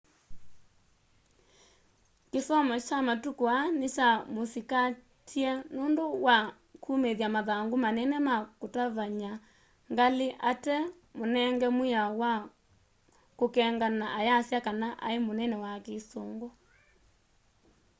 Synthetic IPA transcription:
kesɔmɔt͡ʃamatukoanet͡ʃamosika | tʰiɛnondowa | kʰumeðjamaðaŋɡomanɛnɛmakotaβaɲa | ŋɡaleʔatɛ | monɛŋɡɛmwejawa | kokɛŋɡanaʔajasjakanaʔa̰emonɛnɛwakesoːŋɡo

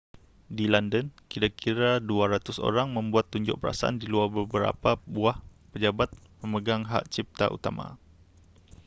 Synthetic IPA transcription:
dilandənkiɾakʰiɾaduaɾat̪ʊso̰ɾaŋmə̃mbuat̪ːuɲd͡ʒʊ̰ʔ̚pəɾa̰saʔa̰ndiluarbəbəɾa̰pabuah | pəd͡ʒabat̪̚pəməɡaŋɦa̰ʔt͡ʃip̚t̪a̰ʔṵt̪amã̰

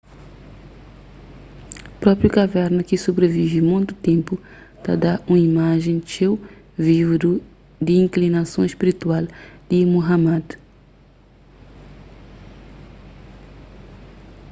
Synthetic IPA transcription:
pɾɔpɾjʊkavɛɾnʊkɪsobɾevivɪmõj̃t̪ʊt̪ẽmpʊ | t̪a̰d̪aũmɐimaʒẽj̃t͡ʃew | vivd̪u | d̪ɪĩŋklinasõw̃eʃpiɾit̪uald̪̥ɪmoɦamad̪

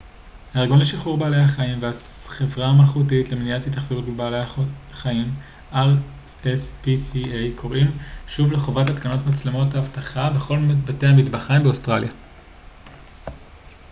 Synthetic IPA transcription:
haeʁɡonleʃilχuʁbeːle̞jhaχaimveaχe̞vʁamalχutitlemeniat͡sjataχz̥ovutbebaːleχaim | ʔaʁ | espisiejkʰo̞ʁimʃuvle̞χo̞vatatkano̞tmat͡slemo̞taːvtaχabe̞χo̞lmbatehamidbaχaimbeo̞stʁalja

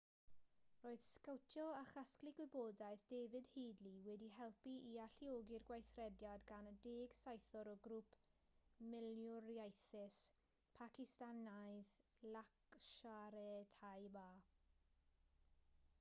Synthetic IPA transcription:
roːɨð̥skawtʰjɔaχasklˠɪɡ̥wɪboːdajðd̥eːvɪdheːdliwɛdihɛlˠpiʔiaɬioːɡirɡwajθrɛdjadɡanədeːɡsajθɔɾɔɡɾupʰmɪljɔɾjajθɪs | pʰakɪstanajðlˠakʃaɾɛtʰajbaː

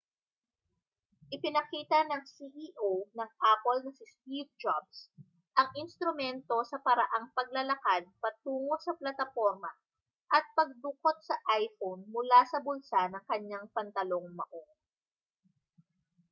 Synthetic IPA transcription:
ʔɪpɪnɐkiːt̪ɐnɐŋsiʔiʔonɐŋʔapolnɐsɪsp̪iv̚d͡ʒabs | ʔɐŋʔɪnst̪ɾʊmɛnt̪o̞sɐpɐɾɐʔaŋpɐɡ̚lɐlɐkad̪̚pɐt̪uːŋo̞sɐplɐt̪ɐfoɾmɐ | ʔɐt̪̚pɐɡ̚d̪ʊkot̪̚sɐʔajfownmʊlasɐbʊnsanɐŋkɐɲaŋpɐnt̪ɐloŋmɐ̰ʔo̞

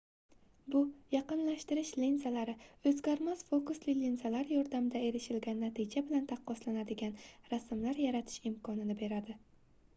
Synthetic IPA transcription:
bʊjɑqɨnlaʃt̪ɪɾɪʃlensalaɾɪɵzɡʲaɾmaz̥fokuslɪlinzalaɾjɒɾd̪amd̪ae̞ɾɪʃɪlɡʲanːat̪ʰɪd͡ʒabɪlant̪ʰɑqʰːɒslanad̪ɪɡʲanɾasmlaɾjaɾat̪ʰɪ̥ʃɪmkʰɒnɪnɪbe̞ɾad̪ɪ

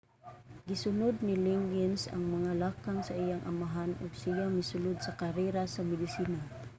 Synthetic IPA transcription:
ɡɪsʊnʊd̪̚nilɪŋɡɛnsa̰ŋmaŋalaːkaŋsaʔijaŋʔamaɦanʊ̰ɡsijamɪsʊlʊd̪̚sakaɾɛɾasamɪd̪ɪsiːna

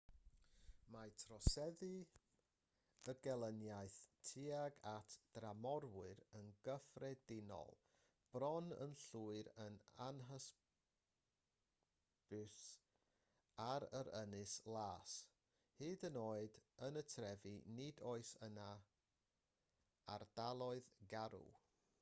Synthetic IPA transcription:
majtʰrɔsɛðɨ | əɡɛlˠənjaɨθtʰiaɡatʰd̥ramɔɾwɨɾənɡəfrɛdɪnɔ̰lˠ | b̥rɔnə̰nɬuːɨɾəna̰nɦəs | b̥s | aɾəɾənɨslˠaːs | hɨːdənoːɨdənətʰrɛvinɪdoɨsəna | ard̥alˠɔɨðɡaɾṵ

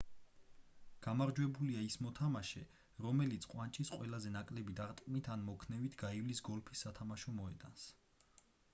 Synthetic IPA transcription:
ɡ̥amaɾd͡ʒwɛbuliaismɔt̪ʰamaʃɛ | ɾɔmɛlit̪sʰqʼwant͡ʃʼisqʼwɛlazɛnakʼlɛbid̪aɾt̪ʼkʼmit̪ʰanmɔkʰnɛvit̪ʰɡaivlisɡɔlpʰi̥sːat̪ʰamaʃɔmɔɛ̰d̪ans

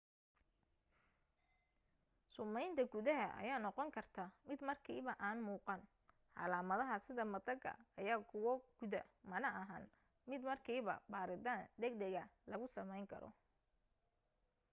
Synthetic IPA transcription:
sʊmɛjnt̪ʰɐɡʊðɐɦɐʔɐ̰jaːnɔqɔŋkʰɐrt̪ʰaːmɪd̪mɐrkʰiːβɐʔaːnmuːqɑn | ħɑ̰laːmɐðɐɦɐsɪðɐmɐd̪ɐɡɐ̰ɐjaːkʰʊwɔɡ̥ʊðɐmɐnɐʔɐɦa̰ːn | mɪd̪mɐrkʰiːβɐ̰baːɾɪd̪aːnd̪ɛɡd̪ɐɣɐlɐɣʊsɐmɛjŋkʰɐ̰ɾɔ̰

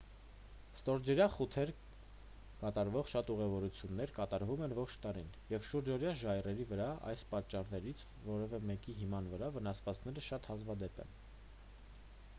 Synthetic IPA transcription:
st̪ɔɾd͡ʒɛɾjɑχut̪ʰɛɾ | kɑt̪ɑɾvɔʁʃɑt̪uʁɛvɔɾut͡sʰjunːɛɾkɑt̪ɑɾvumɛnvɔχt͡ʃʰt̪ɑɾinjɛvʃuɾd͡ʒɔɾjɑʒɑjrɛɾivəɾɑɑ̰jspɑt͡ʃːɑrnɛɾit͡sʰ | vɔɾɛvɛmɛkiɦimɑnvəɾɑvənɑsvɑt͡skʰnɛɾəʃɑt̪hɑzvɑd̪ɛpɛ̰n

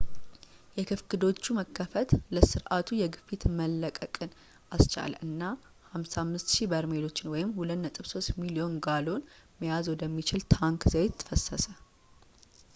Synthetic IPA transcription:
jɛkʰɨfkɨd̪o̞t͡ʃːuməkʰːəfət̪ləsɨɾʔat̪ʰujɛɡɨfit̪məlːəkʼəkʼɨn | ʔast͡ʃa̰lʔɨnːa | hamsamːɨst̪ʃibəɾmelo̞t͡ʃːɪnwɔjɪmhulət̪nət̪ʼɨβso̞st̪milio̞nɡalo̞n | məjazwɔd̪əmːit͡ʃɪlt̪ʰaŋkzəwet̪ʰːɨ̥fəsːəsə

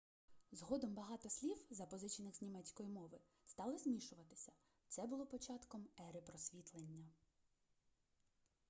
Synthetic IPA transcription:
zɦɔd̪ɔmbɐɦɑt̪ɔsʲlʲiwzɐpɔzɪt͡ʃinɪɣzʲnʲimɛt͡sʲkɔjimɔʋɪ | st̪ɑlˠɔzʲmʲiʃʊʋɐt̪ɪ̥sʲɐ | t̪sɛbʊlˠɔpɔt͡ʃɑt̪kɔmɛɾepɾɔsʲʋʲit̪lˠenʲːɐ

